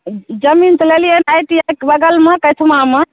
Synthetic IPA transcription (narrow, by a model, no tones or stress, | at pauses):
d͡ʒəmint͡ʃ̪əlelijenajʈijakbəɡəlmekət̪ʰumame